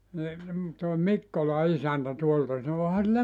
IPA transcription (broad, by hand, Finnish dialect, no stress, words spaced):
ni toˑe mikːolɑ isæntæ tuoltɑ sɑno ohɑ silːæ